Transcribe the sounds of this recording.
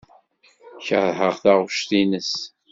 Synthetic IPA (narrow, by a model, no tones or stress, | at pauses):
çəɾˤɦəʁθaʁʊʃθinəs